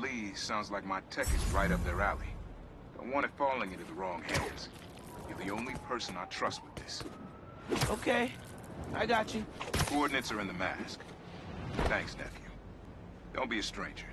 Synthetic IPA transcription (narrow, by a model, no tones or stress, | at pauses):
lisãʊ̃ndzlaɪk̚maɪtʰɛkɨsɹaɪɾʌp̚ðə˞ælˠḭ | ð̥ʌ̰̃wɑ̃ñɨtfɔlˠɪ̃ŋɪ̃ntʉðəɹɔ̃ŋɦæ̃ndz̥ | jɨ˞ðiõʊ̃nlipʰɜ˞sɨ̃naɪtʰɹ̥ʌst̚wɨðɪs | oʊkʰeɪ | ʔa̰ɪɡɑt͡ʃɨkʰɔɹdⁿnɨtsə˞ɨ̃nðɨmæ̰sk | θæ̃ŋksnɛ̰fjʉ | d̥õ̰ʊ̃nb̥iɨstɹ̥ẽɪ̃nd͡ʒə˞